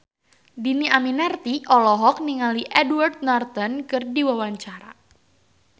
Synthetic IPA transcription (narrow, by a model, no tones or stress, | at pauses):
diniaminɛrt̪iʔɔlɔɦɔk̚niŋaliʔɛdwart̪̚nart̪ɔnkɨrdiwawaɲt͡ʃaɾa